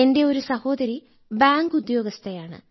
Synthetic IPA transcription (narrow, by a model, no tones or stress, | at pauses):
e̞nde̞o̞ɾusɐho̞ːd̪ɐɾi | baːŋɡud̪jo̞ːɡɐst̪ʰɐjaːɳɨ̰